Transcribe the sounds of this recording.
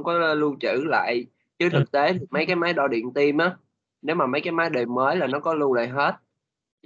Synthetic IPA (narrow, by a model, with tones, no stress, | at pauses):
wŋ͡mkɔ˨˦˧lu˧t͡ɕɨ̰˧˩la̰ː˧˨j | t͡ɕɨ˨˦t̪ʰɨ˨˩k̚t̪e˨˦t̪ʰi˨˩k̚maə˨˦jkaː˨˦jmaː˨˦jɗɔ˧ɗḭ˧˨ənt̪i˧mʔaː˨˦ | ne˨˦wmaː˨˩mə˨˦jkaː˨˦jmaː˨˦jɗe˨˩məː˨˦jlaː˨˩nɔ˨˦kɔ˨˦lu˧la̰ː˧˨jɦe˦˥t̚